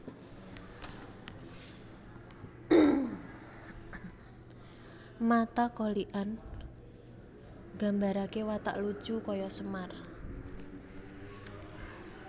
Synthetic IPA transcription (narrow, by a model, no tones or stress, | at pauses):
mat̪akɔliʔan | ɡ̥a̤mbaɾakewat̪a̰ʔlu̥ʒ̥ukɔjɔsəmar